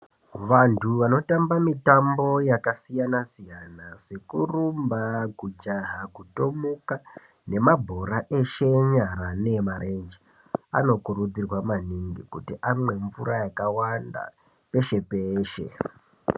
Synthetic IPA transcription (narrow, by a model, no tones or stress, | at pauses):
ʋantʰuʋano̞tambamitambo̞jakasijanasijanase̞kurumbakud͡ʒaɦakuto̞muka | ne̞mabʱo̞ɾaʔe̞ʃe̞ɲaɾane̞maɾʔend͡ʒi | a̰no̞kurud͡zirwamaniŋɡikutiʔamwe̞ɱvuɾajakawanda̰ | pe̞ʃe̞peːʃe̞̰